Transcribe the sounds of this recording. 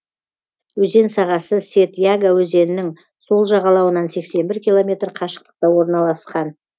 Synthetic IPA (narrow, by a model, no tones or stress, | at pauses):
wɵze̞nsɑʁɑsəse̞t̪jaɡawɵze̞nɪnɪŋ | so̞lˠʒɑʁɑlˠɑwənɑnse̞kse̞nbɪɾkʲilˠo̞mʲe̞t̪ɾqʰɑʃə̥q̚t̪ə̥q̚t̪ɑwo̞ɾnɑlˠɑsqɑn